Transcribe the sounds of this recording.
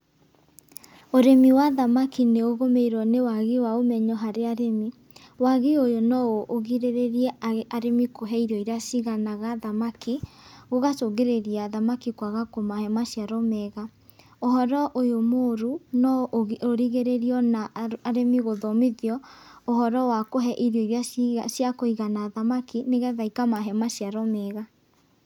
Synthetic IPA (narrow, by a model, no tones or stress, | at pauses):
oɾemiwaðamakineoɣomeiɾɔnewaɣiwaomɛɲɔɦaɾeaɾemi | waɣiojonɔoʔoɣiɾeɾeɾiɛaɾemikoɦɛiɾɔiɾasiɣanaɣaðamakiɣoɣatoɡeɾeɾiaðamakikwaɣakomahɛmaʃiaɾɔmɛɣa | ohɔɾɔʔojomoːɾunɔʔoɾiɣeɾeɾiɔnaaɾemiɣoðɔmiðiɔoɦɔɾɔwakoɦɛʔiɾjɔiɾeasjakoiɣanaðamakineɣɛðaikamaɦɛmaɕiaɾɔmɛɣa